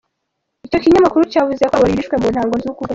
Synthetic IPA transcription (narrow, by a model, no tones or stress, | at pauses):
ico̞kiɲamakuɾucaːvuze̞koβaɾiɾiʃkwe̞muːn̥haːŋɡoziukuɡa